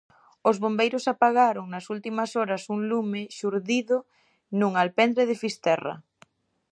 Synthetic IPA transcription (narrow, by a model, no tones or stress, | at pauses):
ozβombejɾosapaɣaɾoŋnɐsult̪imɐsoɾɐsuŋlumeʃuɾðiðo | nuŋalpɛnd̪ɾeð̞ɪfist̪ɛrɐ̰